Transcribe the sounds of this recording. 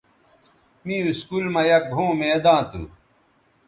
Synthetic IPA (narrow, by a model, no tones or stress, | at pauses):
mĩuskuːlmɐjɐɡʱõːmed̪ãːt̪ṵ